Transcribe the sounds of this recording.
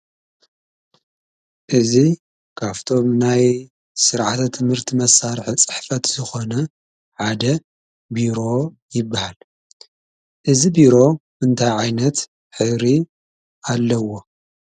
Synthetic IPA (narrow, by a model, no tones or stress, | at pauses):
ʔɨzi | kʰaft̪ʰo̞mnaj | sɨɾʕat̪ʰat̪ʰːɨmhɨɾt̪ʰimɐsːaɾħit͡sʼɨ̥ħfɐt̪z̥ɨxo̞nɐ | ħad̪ɐ | biɾo̞ | jɪbːahal | ʔɨzibiɾo̞bɨɨnt̪ʰajʕajnɐt̪ | ħɨɾi | ʔalːɐwo̞